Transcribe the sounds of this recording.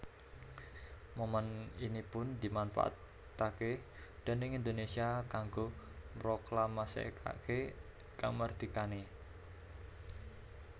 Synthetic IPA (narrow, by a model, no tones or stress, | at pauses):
moməninipʊnd̪̥i̤manfa̰ʔa̰t̪ː | ake | d̪̥a̤nɪŋind̪onesiakaŋɡo | mɾoklamasḛkʰa̰ke | kaŋmərd̪̥ikane